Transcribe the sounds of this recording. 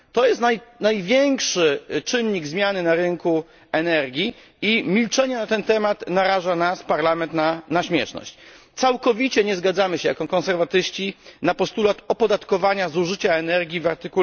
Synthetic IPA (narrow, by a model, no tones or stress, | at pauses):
t̪ɔjɛst̪najnajvʲjɛŋkʂɘt͡ʂɘnːiɡzmʲjanɘnaɾɘŋku | ɛnɛɾɡʲi | imʲilt͡ʂɛɲɛnat̪ɛnt̪ɛmat̪naɾaʐanaspaɾlamɛnt̪nanaɕmʲjɛʂnɔ̰ɕt͡ɕt̪sawkɔvʲit͡ɕɛɲɛzɡad̪zamɘɕɛja̰kɔkɔ̃nsɛɾvat̪ɘɕt͡ɕinapɔst̪ulat̪ɔpɔd̪at̪kɔvaɲazuʐɘt͡ɕaɛnɛɾɡʲivaɾt̪ɘku